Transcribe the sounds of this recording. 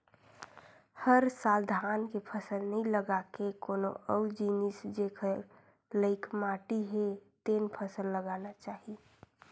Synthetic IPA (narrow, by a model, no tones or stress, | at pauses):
həɾsald̪ʱankepʰəsəlnəiləɡakekono̰ʔəud͡ʒinisd͡ʒekʰə | ləɪkmaʈiɦet̪enpʰəsəlːəɡanat͡ʃaːɦi